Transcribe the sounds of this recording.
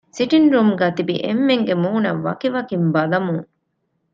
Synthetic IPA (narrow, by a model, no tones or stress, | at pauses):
siʈinɾumɡæːt̪ibḭʔḛmːeŋɡemuːnɐʋɐ̰kiʋɐkimbɐlɐmuŋ